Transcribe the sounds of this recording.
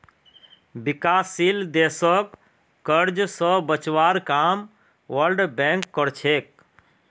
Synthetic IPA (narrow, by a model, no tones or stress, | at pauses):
bɪkaːsild̪eːsəkː | əɾd͡ʒsə̃bət͡ʃwaɾkaːm | ʋəlɖbɛ̃ŋkːəɾt͡ʃʰeːk̚